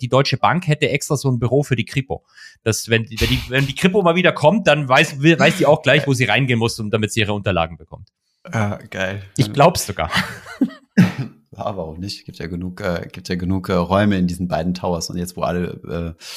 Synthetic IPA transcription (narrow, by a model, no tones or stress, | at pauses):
d̥iːdɔʏt͡ʃəbaŋkhɛtəʔɛkstʁ̥aːzoːənbyʁoːfyːɐdiːkʁ̥ɪpo̰ | d̥asvɛndvɛndiːvɛndiːkʁ̥ɪpomaːlviːdɐkʰɔmt̚d̥anvaɪsvɪvaɪsz̥iːaʊxɡ̥laɪçvoːziːʁaɪnɡeːnmʊsʊnt̚d̥amɪtiːʔiːʁəʊntɐla̰ːɡŋ̩bəkʰɔ̰mt | jaːɡ̥aɪlʔɪç̥laʊbəsz̥oɡa̰ːɐ | ja̰ːvaʁʊmnɪçtsɡ̥iːp̚tjaːɡənuːkʔɛːɡ̥iːp̚tjaːɡənuːkʔɛːʁɔʏməɪndiːzn̩baɪdn̩tʰaʊɐsʊ̰ntjɛt͡stv̥oːʔa̰ləʔɛ̰ː